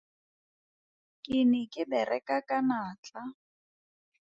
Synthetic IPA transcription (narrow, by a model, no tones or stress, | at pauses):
kʼɪnɪkʼɪbɛrʔɛkʼakʼanaːt͡ɬʼa